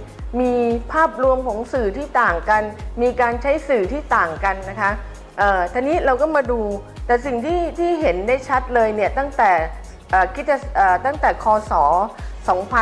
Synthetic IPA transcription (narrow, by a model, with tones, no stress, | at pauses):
miː˧pʰaː˥˩p̚ɾu˧əmkʰɔː˩˦ŋsɯː˨˩t̪ʰiː˥˩t̪aː˨˩ŋka˧nmiː˧kaː˧nt͡ɕʰa˦˥jsɯː˨˩t̪ʰiː˥˩t̪aː˨˩ŋka˧nːa˦˥kʰa˦˥ | ʔɤː˨˩t̪ʰaː˧niː˦˥ɾa˧wkɔː˥˩maː˧duː˧ | t̪ɛː˨˩si˨˩ŋt̪ʰiː˥˩t̪ʰiː˥˩ɦe˩˦ndaː˥˩jt͡ɕʰa˦˥t̪̚lɤː˧jni˥˩ɐt̪a˥˩ŋt̪ɛː˨˩ | ʔaː˨˩kʰi˦˥t̪̚t͡ɕa˨˩ʔəː˨˩t̪a˥˩ŋt̪ɛː˨˩kʰɔː˧sɔː˩˦sɔː˩˦ŋpʰa˧